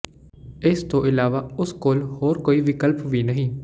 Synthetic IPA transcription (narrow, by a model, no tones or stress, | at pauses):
ɪst̪oːʔɪlaːʋaːʊskoːlhoːɾkoːiːʋɪkəlpʋiːnəɦĩː